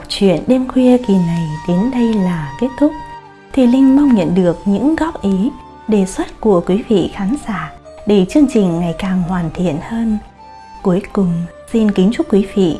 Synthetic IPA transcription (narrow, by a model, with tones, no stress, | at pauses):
t͡ɕwḭ˧˨ənɗe˧mxwi˧əki˨˩na˨˩jɗe˨˦nɗə˧jlaː˨˩ke˦˥t̚t̪ʰʊ˦˥k͡p̚ | t̪ʰi˨˩lï˧ŋ̟ma˧wŋ͡mɲə̰˧˨nɗɨ˨˩ək̚ɲɨ̰˧˥ŋɣɔ˦˥p̚ʔi˨˦ | ɗe˨˩swə˦˥t̚ku˧˩əkwi˨˦vḭ˧˨xaː˨˦nzaː˧˩˨ | ɗe˧˩t͡ɕɨ˧əŋt͡ɕï˨˩ŋ̟ŋa˨˩jkaː˨˩ŋhwaː˨˩nt̪ʰḭ˧˨ənhəː˧n | ku˨˦əjkʊ˨˩ŋ͡m | si˧nkï˨˦ŋ̟t͡ɕʊ˦˥kwi˨˦vḭ˧˨